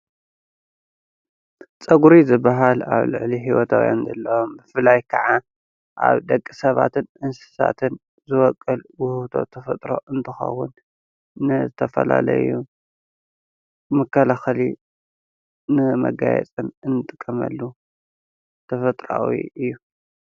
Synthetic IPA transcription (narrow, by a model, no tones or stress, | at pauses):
t͡sʼɐɡuɾizɨbːaɦalaβlɨ̰ʕliɦiwɔt̪ʰawja̰nzɐlːɐwombɨfɨlajkʰɐʕa | ʔa̰βd̪ɐkʼːisɐβat̪ʰɨnʔɨnsɨ̥sa̰t̪ʰɨn | zɨwɔkʼːɨlwʊht̪ʰo̞̰t̪ʰɐfɐt̪ʼɾo̞̰ʔɨnt̪ʰɨxɐ̰wːʊnː | ɨzɨt̪ʰɐfɐla̰lɐ̰ju | mɨkʰːɐlaxɐli | nɨmɐ̰ɡajɛ̰t͡sʼɨnɨnːɨt̪ʼɨkʼːɐmɐ̰lːu | t̪ʰɐfɐt̪ʼɾawḭɨjːu